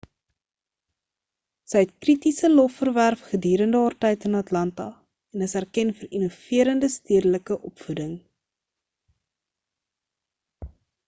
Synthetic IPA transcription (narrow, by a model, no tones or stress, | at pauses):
səjɛt̚kritisəlɔfːərværfχədyːɾəndəɦɑːrtɛjtənɐtlɐntɐ | ɛnəsærkɛnfərinufiəɾəndəstyədələkəʔɔpfudəŋ